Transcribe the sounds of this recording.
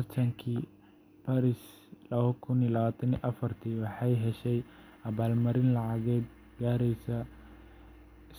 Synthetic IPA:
ɐrt̪ʰɐŋkʰiː | pʰaɾɪs | lɐβɐkʰʊnilɐβaːt̪ʰɐniʔɐfɐrt̪ʰiːwɑħɑjɦɛʃɛj | ɐβaːlmɐɾɪnlɑʕɑɣɛːd̪ | ɡaːɾɛjsɐ | s

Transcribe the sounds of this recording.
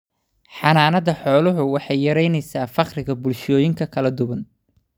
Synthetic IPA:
ħɑnaːnɐðɐħɔːlʊɦʊwɑħɑjːɐɾɛjnɛjsaːfɑqrɪɣɐbʊlʃɔːjɪŋkʰɐkʰɐlɐd̪ʊβɐn

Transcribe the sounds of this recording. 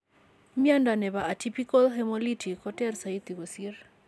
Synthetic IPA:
mjandanɛβaʔatipikalɦɛmɔlitʰikɔtɛrsait̪iɣosiɾ

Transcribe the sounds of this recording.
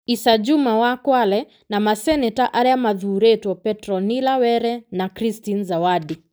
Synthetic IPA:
isad͡ʒumawakwalɛ | namasɛnɛtaʔaɾɛamaðuɾɛtɔpɛtɾɔnilawɛɾɛnakɾistinzawaɗi

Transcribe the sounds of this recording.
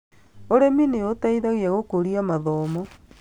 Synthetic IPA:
oɾemineotaiðaɣiaɣokoɾiamaðɔːmɔ

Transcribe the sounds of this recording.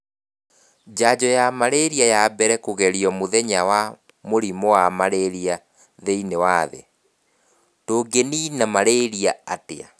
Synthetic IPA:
d͡ʑad͡ʑɔjamaɾeɾiajabɛɾɛkoɣɛɾiɔmoðɛɲawa | moɾimɔwamaɾeɾia | ðeinewaðḛ | toːɡeninamaɾeɾiaatḛa̰

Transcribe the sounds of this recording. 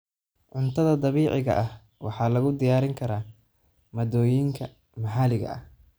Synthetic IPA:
ʕʊnt̪ʰɐðɐd̪ɑβiːʕɪɣɐ̰ʔɐh | wʔɑ̰ħɑːlɐɣʊd̪ɪjaːɾɪŋkʰɐɾaː | mɐd̪ɔːjɪŋkʰɐ | mɐħaːlɪɣɐ̰ʔɐ̰h

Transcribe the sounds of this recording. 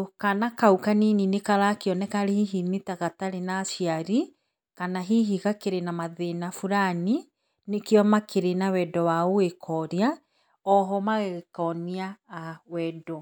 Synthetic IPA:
kanakaukanininekaɾakeɔnɛkaɾehiɦinitaɣataɾenasiaɾi | kanaɦiɦiɣakeɾenamaðenafuɾani | nekjɔmakeɾenawɛdɔwaowekʰɔɾea | ɔɦɔmaɣeɣkɔniaːwɛdɔ

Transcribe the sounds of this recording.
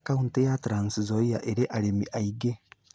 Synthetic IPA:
kauntejatɾaːnsizoijaʔeɾeʔaɾemiʔaiɡe

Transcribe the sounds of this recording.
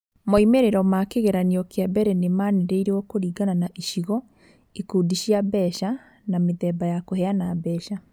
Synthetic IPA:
moimeɾeɾɔmakeɣeɾaniɔkeabɛɾɛnemaneɾeiɾeɔkoɾiːɡananaʔiʃiɣɔ | ekudiɕjabɛʃa | nameðɛːbajakoɦɛanabɛːʃa

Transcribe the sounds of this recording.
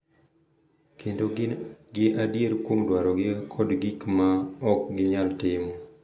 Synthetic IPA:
kʰendoɡɪʔadjeɾkwoŋdwaɾɔɡɪkʰɔdɡikmaɔk̚ɡɪɲaltɪmɔ

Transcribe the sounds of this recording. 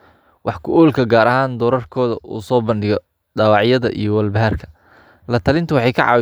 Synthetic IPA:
wʔɑħkʰʊʔuːlkʰɐɡaːɾɐhaːnd̪ɔːɾɐrkʰɔːðɐʔṵːsɔːbɐnɖɪɣɔ | ɖɑːwɑʕjɐðɐ̰ʔḭjɞwɐlbɐɦɐrkʰɐ̥ | lɐt̪ʰɐlɪnt̪ʰʊwɑħɑjkʰɑ̰ʕɑ̰ːw

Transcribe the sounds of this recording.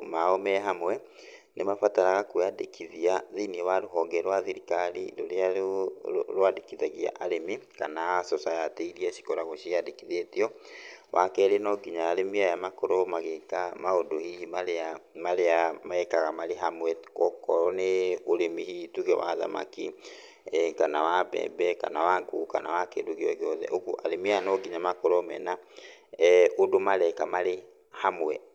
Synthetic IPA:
maomɛɦamwɛ | nemafataɾaɣakweadḛkiðiaðiniɛwaɾoɦɔːŋɡɛɾwaðiɾikalḭɾo̰ɾea | ɾoadekiðaɣia̰ʔaɾemikanasosajateiɾiɛʃi̥koɾaɣoʃiadekiðetiɔwʔakɛɾenɔɡiɲaːɾemiajamakoɾomaɣekamaodohihimaɾeamaɾeamaɛkaɣamaɾeɦamwɛkɔkɔɾɔneoɾemihituɣɛwa̰ða̰ma̰ki | kanawabɛ̰bɛka̰nawaŋɡokanawakḛdoɣeɔɣeɔðɛ̰ʔoɣuʔa̰ɾemiajanɔɡiɲamakɔɾɔmɛ̰na | odomaɾɛkamaɾe | hamwɛ

